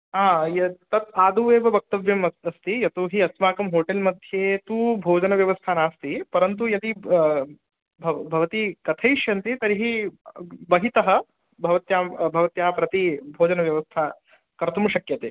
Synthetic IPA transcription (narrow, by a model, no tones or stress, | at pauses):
aːjɐt̪ɐt̪aːd̪uːʋeːʋɐbɐk̚t̪ɐʋjɐmɐɐst̪ijɐt̪oːɦiɐt̪maːkɐmɦoːʈelmɐd̪ʱjeːt̪uːbʱoːd͡ʒɐnɐʋjɐʋɐst̪ʰaːnaːst̪ipɐɾɐnt̪̬ujɐd̪i | bʱɐbʱɐʋɐt̪ikɐt̪ʰɐjʃjɐnt̪it̪ɐɾiɦi | bɐɦit̪ɐɦɐ̆ | bʱɐʋɐt̪jaːmbʱɐʋɐt̪jaːpɾɐt̪ibʱoːd͡ʒɐnɐʋjɐʋɐst̪ʰa | kɐɾt̪ʰumuʃɐkjɐt̪eː